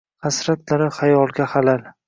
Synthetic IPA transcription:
hasɾat̪ʰlaɾɪχajɒlˠɡʲaχalal

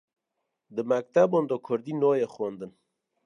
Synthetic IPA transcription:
d̪əmæk̚t̪abond̪oːkʰʊɾd̪iːnoːjexond̪ɨən

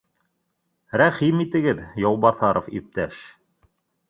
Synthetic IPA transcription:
ɾæχimit̪ɘ̆ɡɘðjɑwˠbɑθɑɾʔofḭp̚t̪æʃ

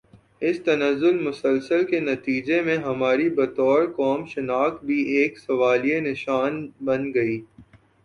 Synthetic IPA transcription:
ɪst̪ɐnəzːʊlmʊsəlsəlkenɐt̪iːd͡ʒemẽɦɐmaːɾibɐt̪ɔːɾkɔːmʃɪnaːkbʱieːksɐʋaːlijenɪʃaːnbɐnɡɐiː

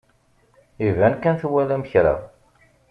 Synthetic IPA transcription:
ivænkænθwælæməçɾa̰

